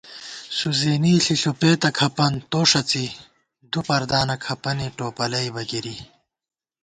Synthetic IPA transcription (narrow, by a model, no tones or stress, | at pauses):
suzeːniːɬiɬopeːt̪ɐkʰɐpɐnt̪oːʂɐt͡si | d̪upɐɾd̪aːnɐkʰɐpɐniʈoːpɐlɐjbɐɡiɾi